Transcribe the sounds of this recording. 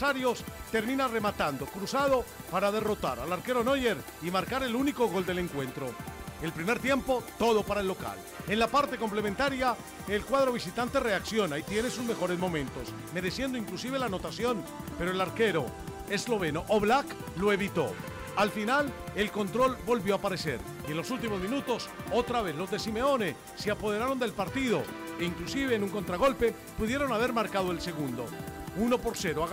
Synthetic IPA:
aɾjo̞st̪e̞ɾmĩnare̞mat̪and̪okɾusað̞o̞paɾað̞e̞ro̞t̪a̰ɾalaɾke̞ɾo̞no̞ʝe̞ɾ | imaɾkaɾe̞luniko̞ɣo̞ld̪ele̞ŋkwe̞nt̪ɾo̞e̞lpɾime̞ɾt̪je̞mpo̞t̪o̞ð̞o̞paɾae̞lːo̞ka̰l | e̞nlapaɾt̪e̞ko̞mple̞mẽnt̪aɾja | e̞lkwað̞ɾo̞β̞isit̪ant̪e̞re̞aksjo̞nait̪jene̞suzme̞xo̞ɾe̞zmõ̞mẽnt̪o̞s | me̞ɾe̞sje̞nd̪oiŋklus̬iβ̞e̞lano̞t̪asjo̞n | pe̞ɾoelaɾke̞ɾo̞ | ezlo̞βe̞noʔoβlak | lo̞e̞βit̪o̞ | alfinalelko̞nt̪ɾo̞lbo̞lβjo̞apaɾe̞se̞̰ɾ | ie̞nlo̞sult̪̬imozmĩnut̪o̞so̞t̪ɾaβe̞θlo̞zd̪e̞sime̞o̞ne | seapo̞ð̞e̞ɾaɾo̞nd̪e̞lpaɾt̪iðo̞eiŋklusiβe̞ːnũŋko̞nt̪ɾaɣ̞o̞lpe̞ | puðjeɾo̞naβe̞ɾmaɾkað̞oe̞lse̞ɣ̞und̪o̞̰uno̞po̞ɾse̞ɾoa

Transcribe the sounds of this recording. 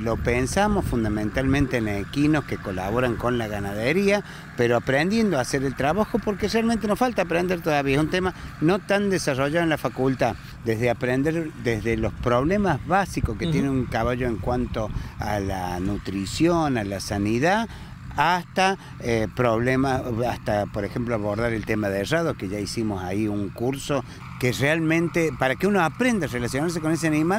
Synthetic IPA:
lo̞pensamo̞sfund̪amẽnt̪almẽnt̪enekinoskeko̞la̰βo̞ɾaŋko̞nlaɣanaðeɾia | peɾoapɾend̪je̞nd̪oaseɾelt̪ɾaβaxo̞po̞ɾkerealment̪enosfalt̪aːpɾend̪eɾt̪oðaβiaesunt̪emano̞t̪and̪esaroʒaðonlafakult̪a | d̪ezðeapɾend̪eɾd̪ezðelo̞spɾoβlemazβasikosket̪je̞neuŋkaβaʒo̞eŋkwant̪oalanut̪ɾisjonalasaniða | ast̪a | epɾoβlemasast̪apo̞ɾexe̞mploaβo̞ɾðaɾelt̪emaðeraðokeʒaisimo̞saiuŋkuɾso̞ | kerealmẽ̞nt̪epaɾakeunoapɾe̞nd̪arelasjo̞naɾs̬eko̞ne̞s̬eanimal

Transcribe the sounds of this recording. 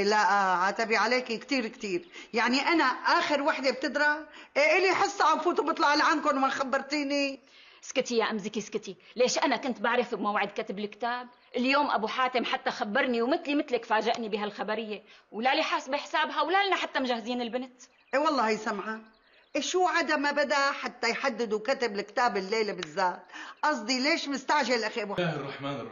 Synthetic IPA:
laʔaʕaːt̪abiʕaleːkikt̪iːɾkt̪iːɾjaʕniʔanaʔaːxɪɾwaħd̪eb̚t̪ɪd̪ɾɑʔeʔɪliħɨsˤːʕanfuːt̪ubɨt̪ˤlɑʕalʕankʊnwmaxabːɑɾˤt̪iːni | skɪt̪ijaʔamzɪkiskɪt̪ileːʃʔanakʊnt̪baʕɾˤɪfbmawʕɪd̪kat̪ɪbɪlkt̪aːb̚ | ʔɪljoːmʔa̰buħaːt̪ɪmħat̪ːaxabːɑɾˤniwmɪt̪limɪt̪lɪkfaːʒɪʔnibiːɦalxabaɾɪjːewlaliħasbiħsaːbɦawlalɪnaħat̪ːamʊʒahziːnɪlbɪnt̪ | ʔewɑlˤːɑːjsamʕa | ʔeʃuːʕad̪amabad̪aħat̪ːajħad̪ːɪd̪ukat̪ɪbɪlkt̪aːbɪlːeːlbɪzːaːt̪ʔɑs̬ˤd̪ˤileːʃmɪst̪aʕʒalʔaxiʔabuarˤːɑħmaːn

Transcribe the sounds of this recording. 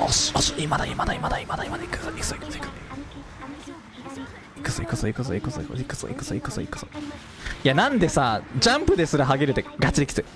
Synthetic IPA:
oɕoimad̪aimad̪aimad̪aimad̪aimad̪aiksʔisiksk | ikɯ̥sikɨsoikɨsoikso̰ikoikɯ̥so̰ḭkɯ̥soikɨ̥so̰ḭkɯ̥so̰ | ijanãnd̪e̞sad͡ʑãmpɯ̟d̪e̞sɨɾaɦaɡeɾɯ̟t̪ːeɡat͡ɕid̪ʲiki̥t͡sɨ

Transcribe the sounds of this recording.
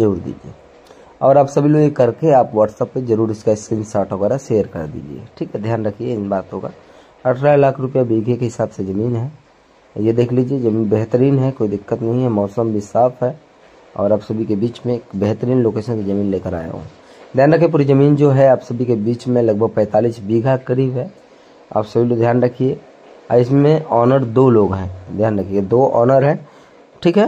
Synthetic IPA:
d͡ʒəɾuːɾd̪ḭːd͡ʒiḛː | ɔːɾaːpsɐbʱiloːɡekɐɾkeaːpʋaːʈsəpːed͡ʒɐɾuːɾɪskaɪskɾɪnsaːʈʰɦəɣɛːɾaseːəɾkɐ̰ɾd̪ḭːd͡ʒḭḛːʈʰiːkɦɛd̪ʱjaːnɾɐkʰieɪnbaːt̪õka̰ | ɐʈʰɾalaːkʰɾʊpijabeːɡʱekeɦɪsaːbsed͡ʒɐmiːnɦɛː | jed̪eːkʰliːd͡ʒied͡ʒɐmiːnbɛɦt̪əɾiːnɦɛkoːid̪ɪkːət̪nɐɦĩɦɛmɔːsəmbʱisaːfʰɦɛ | ɔ̰ːɾaːpsɐbʱikebiːt͡ʃmẽkbɛɦt̪əɾiːnloːkeːʃənkizɐmiːnleːkəɾa̰ːḛɦõ̰ː | d̪ʱjaːnɾəkʰiep̬uːɾizɐmiːnd͡ʒoːɦɛaːpsɐbʱikebiːt͡ʃmẽlɐɡ̚bʱəɡ̚pɛ̃ːt̪aːliːsbiːɡʱakəɾiːbɦɛ | a̰ːpsɐbʱilod̪ʱjaːnɾɐkʰie | a̰ːɪsmẽɔːnəɾd̪oloːɡɦɛ̃ːd̪ʱjaːnɾɐkʰiɡed̪oːʔɔ̰ːnəɾɦɛ̃ː | ʈʰiːkɦɛ

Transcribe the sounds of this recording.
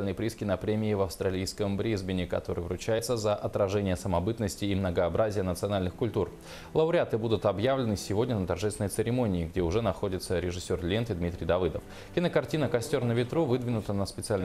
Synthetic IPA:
lʲnəjəpɾʲiskʲɪnəpɾʲemʲɪːvɐfst̪ɾɐlʲijskəmbɾʲizbʲɪnʲɪkɐ̰t̪o̞ɾɨ̰jvɾʊt͡ɕæjɪt̪səzəʔɐt̪ɾɐʐɛnʲɪjəsəmɐbɨt̪nəsʲtʲɪːmnəɡəɐbɾazʲɪjənət̪sɨɐnalʲnɨxkʊlʲt̪ur | lˠəʊɾʲat̪ɨbud̪ʊt̪ɐbjavlʲɪnɨsʲɪvo̞dʲnʲənət̪ɐrʐɛsvɪnəjt̪sɨɾʲɪmo̞nʲɪːɡdʲeʊʐɛnɐxo̞dʲɪt̪səɾʲɪʐɨsʲːorlʲent̪ɨd̪mʲit̪ɾʲɪjd̪ɐvɨd̪əf | kʲɪnəkɐrtʲinəkɐsʲtʲo̞rnəvʲɪt̪ɾuvɨd̪vʲɪnʊt̪ənəspʲɪt̪sɨalʲn

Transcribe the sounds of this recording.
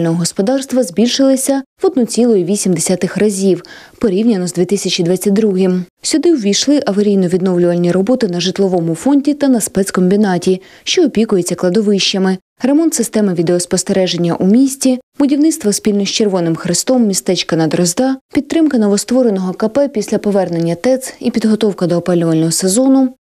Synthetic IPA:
lnɔɦɔɦɔspɔd̪ɑrst̪ʋɐzbʲilʲʃɪlˠɪsʲɐʋɔd̪nut͡sʲilˠɔjiʋʲisʲimd̪esʲat̪ɪxrɐzʲiwpɔɾʲiwnʲɐnɔzd̪ʲʋʲit̪ɪsʲɐt͡ʃid̪ʋɑt͡sʲːɐt̪̚ʲd̪ɾuɦɪmsʲʊd̪ɪwʋʲijʃlˠɪʔɐʋɐɾʲijnɔʋʲid̪nɔwlʲʊʋɐlʲnʲːiɾɔbɔt̪ɪnɐʒɪt̪lˠɔʋɔmʊfɔnʲdʲit̪ɐnɐspɛt̪skɔmʲbʲinɑtʲi | ʃt͡ʃɔːpʲikʊjet͡sʲːɐklˠɐd̪ɔʋɪʃt͡ʃɐmɪ | ɾe̞mɔnt̪sɪst̪ɛmɪʋʲid̪eɔspɔst̪eɾɛʒenʲːɐ̰ʔumʲisʲtʲibʊdʲiwnɪt̪st̪ʋɔspʲilʲnɔsʲt͡ʃerʋɔnɪmxɾɪst̪ɔmːʲist̪ɛt͡ʃkɐnɐd̪ɾɔzd̪ɑpʲit̪ːɾɪmkɐnɔʋɔst̪ʋɔɾenɔɦɔkɐpɛpʲisʲlʲɐpɔʋɛrnenʲːɐt̪ɛt̪sipʲid̪ɦɔt̪ɔwkɐd̪ɔːpɑlʲʊʋɐlʲnɔɦɔsezɔnʊ

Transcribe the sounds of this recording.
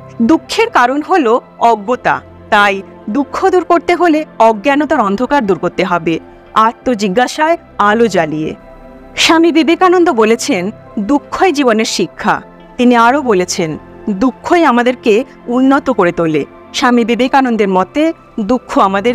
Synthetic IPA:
d̪ukʰːeɾkaɾonɦolo | ɔɡːot̪a̰ | t̪aj | d̪ukʰːod̪uɾkoɾt̪eɦoleɔɡːanot̪aɾɔnd̪ʱokaɾd̪uɾkoɾt̪eɦɔbe | aɾt̪ːod͡ʑiɡːaʃae | alod͡ʑalijḛ | ʃamibibekanond̪obolet͡ɕʰen | d̪ukʰːoed͡ʑiboneɾʃikʰːa̰ | t̪iniaɾobolet͡ɕʰen | d̪ukʰːoeamad̪eɾke | unːot̪okoɾet̪ole | ʃamibibekanond̪eɾmɔt̪e | d̪ukʰːoamad̪eɾ

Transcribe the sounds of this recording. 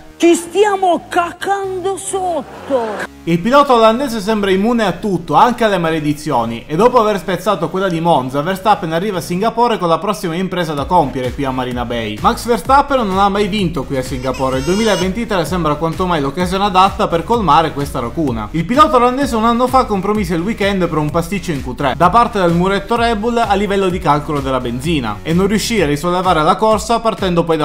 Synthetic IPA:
t͡ʃist̪jaːmokakːand̪osot̪ːo | ilpilɔːt̪aoland̪ɛːzes̬ɛmbɾaimːuːneat̪ːut̪ːoaŋkealːemaled̪it̪sːjoːniʔed̪ːɔːpoaverspet̪sːaːt̪okwelːad̪imond̪zaverst̪apːenarːiːvaːsːiŋɡapoːɾekonlapɾɔsːimaimpɾeːzad̪akompjeɾekwiamːaɾiːnabɛjmaksverst̪apːenːonamːajvint̪okwiasːiŋɡapoːɾeild̪uemiːlaevːent̪it̪ɾesɛmbɾakwant̪omajlokːazjoːnead̪at̪ːaperkolmaːɾekwest̪aɾakuːna̰ilpilɔːt̪oɾland̪eːzeunanːofakːompɾomiseilwikɛnd̪pɾumpast̪it͡ʃːoiŋkut̪ɾed̪apart̪ed̪elmuɾɛt̪ːoɾɛbulalːivɛlːod̪ikalkolod̪elːabend̪ziːna̰enːõnrjuʃːiːarisolːevaːɾelakorsapart̪ɛnd̪opɔjd̪a

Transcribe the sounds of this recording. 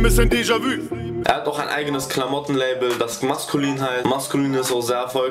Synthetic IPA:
mɪsəndiːʒavyː | ʔḛɐhataʊxaɪnʔa̰ɪɡənəskʰlamɔtn̩leɪbl̩dasmaskʰuliːnɦaɪmaskuliːnɪstozeːɐfɔl

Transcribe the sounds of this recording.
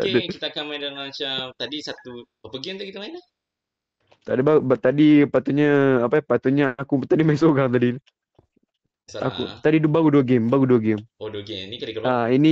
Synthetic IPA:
dkit̪akamajdalat͡ʃamt̪adisat̪u | apəɡiant̪ukit̪alainah | t̪adibaat̪adipat̪uɲaapapat̪uɲaakut̪adimaĩsoɡaŋt̪̬adi | a̰kṵt̪adidubaɣuduəɡembaɡuduaɡemoduəɡemnikadikəaini

